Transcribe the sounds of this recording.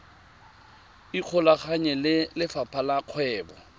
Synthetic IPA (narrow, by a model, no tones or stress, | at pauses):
iq͡χʰɔlaχaɲɛllɪfapʰalaq͡χʰwɛːbɔ